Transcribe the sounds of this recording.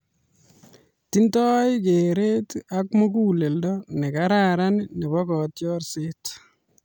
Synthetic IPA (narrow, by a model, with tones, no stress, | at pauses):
ti˦ntɔ˦jɪkeɾe˦ta˦kmo˦k̬u˦le˨ldɔnɛ˨kaɾaɾannɛ˨bɔ˦kɔ˨tjɔrset